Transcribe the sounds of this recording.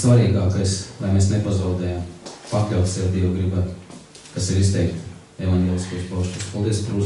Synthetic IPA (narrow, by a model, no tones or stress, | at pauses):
svaɾiːɡaːkajslˠajmeːsnepazawd̪ɛːjampaklʲawt̪sɛɾd̪ʲiɛwɡɾibæːt̪ | kasiɾist̪ɛjkt̪ | ɛvanɡʲeɛːlˠʲiskujspawʃuspalˠd̪iɛspaɾuz